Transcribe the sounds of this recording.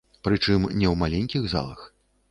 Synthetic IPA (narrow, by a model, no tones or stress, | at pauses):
pɾɨt͡ʂɨmnʲɛwmalʲɛnʲkʲiɣza̰lˠɐ̰x